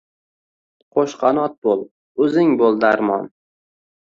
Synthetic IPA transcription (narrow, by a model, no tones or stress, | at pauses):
qʰoʃqʰɑnɒt̪̚bolˠ | ɵzɪŋbolˠd̪aɾmɒ̰n